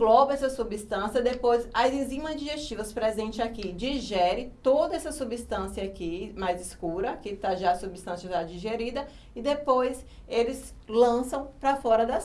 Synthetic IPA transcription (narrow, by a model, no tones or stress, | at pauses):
lɔbɛsɐsubist̪ɐ̃siɐd̪epojzɐzĩzĩmɐd͡ʒiʒest͡ʃivɐspɾezẽnt͡ʃɪakid͡ʒiʒɛɾɪt̪od̪ɐɛsɐsubist̪ɐ̃siɐakimajziskuɾɐakit̪aʒaɐsubist̪ɐ̃sjɐt̪ad͡ʒiʒeɾid̪ɐ | ɪd̪epojs | elɪslɐ̃sɐ̃w̃pɾɐfɔɾɐd̪ɐ